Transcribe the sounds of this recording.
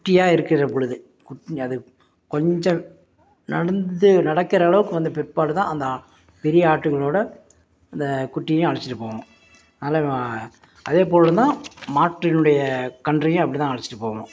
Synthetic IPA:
kʊʈːɪjaːɪɾɯkːɪɾrɐpɔɻɯðɯ | kʊʈːɐðɯ | kɔɲd͡ʒɐ̃ | nɐɽɐnd̪ɯnɐɽɐkːɪɾɐːɭɐʋɯkːɯʋɐnd̪ɯpɛpːaːlɯt̪ãːɐnd̪ɐ | pɛɾɪjɐaːʈːɯɣɐɭoːɽɐ | ɐnd̪ɐkʊʈːɪjɐjʊ̃ɐɻɐt͡ʃːɪ̥ʈːɯpːoːɣɐŋɐ̃ | ɐnaːlɐ | ʔɐðeːp̬oːlɐt̪ãːmaːʈɾɪnɯɽɐjɐkɐɳɖrɐjʊ̃ɐpːɐɽɪt̪ãːɐɻɐt͡ʃːɪ̥ʈːɯpːoːɣɐŋɐ̰̃

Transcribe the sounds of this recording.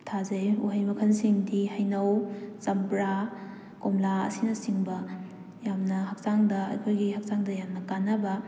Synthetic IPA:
tʰazejuɦɐjmɐkʰɐnsiŋdihɐjnɐwsɐmbɾa | komlaɐ̰sinɐsiŋbɐ | jamnɐɦak̚saŋdɐɐ̰kʰojɡihak̚saŋdɐjamnɐkanːɐbɐ

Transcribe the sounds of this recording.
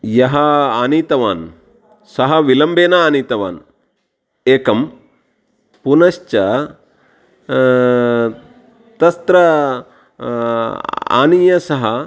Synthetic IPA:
jɐɦɐaːniːt̪ɐʋaːn | sɐɦɐʋilɐmbeːnɐaːniːt̪ɐʋa̰ːn | eːkɐm | punɐʃt͡ʃɐ | t̪ɐst̪ɾɐ | a̰ːnijɐsɐɦɐ

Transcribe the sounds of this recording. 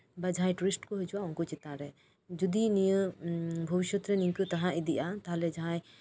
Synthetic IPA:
bad͡ʒãj̃ʈuɾisʈkɔɦɛd͡ʒuwaɔ̃ŋkɔt͡ʃit̪ãɾɛ | d͡ʒud̪inijəbʱəbiʃjɔt̪ɾɛnĩkət̪aɦãʔid̪iʔat̪aɦalɛd͡ʒɦãj

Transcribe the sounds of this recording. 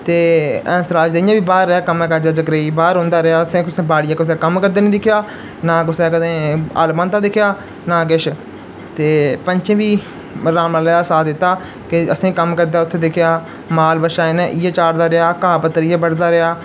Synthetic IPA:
t̪eːɛ̃ːsəɾaːd͡ʒd̪eɪjãːbiːbaːɾːəaːkəmɛ̃ːkad͡ʒaːd͡ʒəɡɾeːiːbaːɾɦõːnd̪aːɾɪaːʊsẽːkʊsẽːbaːɽɪjãːkʊsẽːkəmkəɾd̪eːnĩːd̪ɪkʰjaː | nãːkʊsẽːkəd̪ẽːa̰ːlbãːnt̪aːd̪ɪkʰjaː | nãːk̬ɪʃ | t̪eːpəɲt͡ʃẽːʋiː | ɾaːmaːleːasaːd̪ɪt̪ːaː | kɪəsẽːkəmkəɾd̪aːʊt̪ʰːeːd̪ɪkʰjaː | maːlbəʃaːeneːʔɪjeːt͡ʃaːɽd̪aːɾɪaːkãːpət̪ːəɾɪjaːbəɽd̪aːɾɪaː

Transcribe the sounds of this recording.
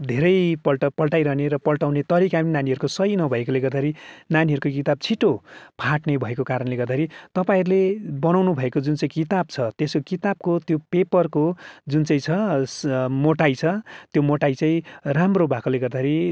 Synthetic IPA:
d̪ʱeɾʌjpʌlʈʌpʌlʈajɾʌɦneɾʌpʌlʈawnet̪ʌɾikapʌninaniɦʌɾukosʌjnʌbʱʌekoleɡʌrd̪aɦɾinaniɦʌɾukokit̪ab̚t͡sʰiʈopʰaʈnebʱʌekokaɾʌnleɡʌrd̪aeɾit̪ʌpãĩɾulebʌnawnubʱʌekod͡zunt͡saĩkit̪ab̚t͡sʰʌt̪esokit̪ab̚kot̪jopepʌrkod͡zunt͡saĩt͡sʰʌ | moʈajt͡sʰʌt̪jomoʈajt͡saĩramrobʱakoleɡʌrd̪aeɾi

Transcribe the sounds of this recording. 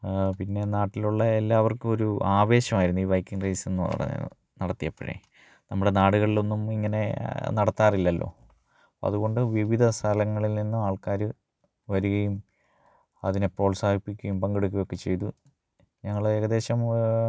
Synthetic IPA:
pinːe̞naːʈːiluɭːɐe̞lːaːʋɐrkɨo̞ɾuaːʋe̞ːɕɐmaːjiɾunːuiːʋɐjkːiŋɡrɐjse̞nːupɐ̰rɐ̰ɲːɐ̰ | nɐɽɐt̪ːijɐpːɐɻḛ | nɐmːuɽe̞naːɽuɣɐɭilo̞nːumiŋːɐne̞̰nɐɽɐt̪ːaːrilːɐlːo̞̰ː | ɐ̰ðuɣo̞ɳɖɨʋiʋid̪ʱɐst̪ʰɐlɐŋːɐɭilninːuaːɭkaːɾɨ | ʋɐɾuɣɐjum | ɐðinepːo̞ːɭsaːɡipːikʲːɐjumpɐŋɡeɽukʲːuɐjo̞kːe̞t͡ɕːe̞jt̪u | ɲɐŋːɐɭeɣɐðe̞ːɕɐm

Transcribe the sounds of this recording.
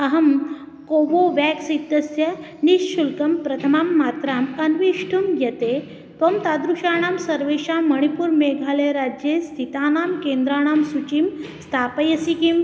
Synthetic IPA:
ɐɦɐm | koʋoʋaksit̪ːɐsjɐniʃɕulkɐmpɾɐt̪ʰɐmaːmːat̪ɾaːmɐnʋiʂʈʰumɡʱet̪e | t̪ɐmt̪ad̪ɾuʂaːɳ̃aːmsɐɾʋeʃaməɽ̃ipuːɾmeɡʱaːleɾad͡ʑjest̪ʰit̪aːnaːmkend̪ɾaːɽ̃aːmsut͡ɕimst̪ʰapəjəsikim

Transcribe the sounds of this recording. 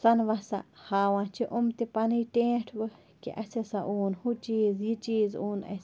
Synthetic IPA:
sɐnʋasa̰haːwãːt͡ʃʰiʔʊmt̪ipɐnɨjʈẽːʈʰbɨ | kḭʔɐsesaʔuːnhut͡ʃiːzjit͡ʃiːzuːnɐ̰s

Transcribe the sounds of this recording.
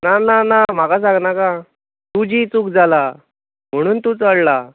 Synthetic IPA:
nananam̤akas̬ãŋɡnaka | t̪ud͡ʑiːt͡suk̚d͡zʱala | m̤əɽ̃uːnt̪ut͡səɽla

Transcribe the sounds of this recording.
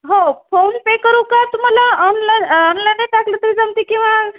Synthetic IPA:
ɦofʰonpekəɾũkat̪um̤alaɔnlaɔnlajnaʈaklət̪əɾid͡zamt̪ikĩw̃ʋa

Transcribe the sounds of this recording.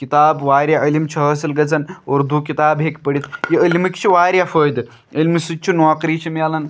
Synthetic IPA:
kit̪aːbʋaːɾʲjaʔəlimt͡ʃʰɐɦəsilɡɐd͡zɐnɐɾd̪ʱukit̪aːbɦekpəɽit̪jiəlmikʲt͡ʃʰiʋaːɾʲjafəːjd̪ | əlʲmisut͡ʃʰunʋaːkɾit͡ɕʰimalɐn

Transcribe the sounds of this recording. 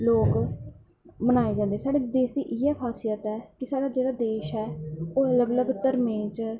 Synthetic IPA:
loːk | mənaːeːd͡ʒãːnd̪eɛːsaːɽeːd̪eːʃd̪iːʔɪɛːkʰaːsijət̪ɛːkɪsaːɽaːd͡ʒeːɽaːd̪eːʃɛːoːələɡləɡt̪əɾmẽːt͡ʃ

